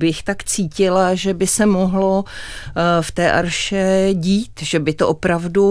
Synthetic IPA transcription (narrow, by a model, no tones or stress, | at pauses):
bɪxt̪akt͡siːcɪlaʒɛbɪsɛmoɦlo̞ | ft̪ɛːʔa̰ɾʃɛɟiːt̪ʒ̥ɛbɪt̪oʔopɾavdu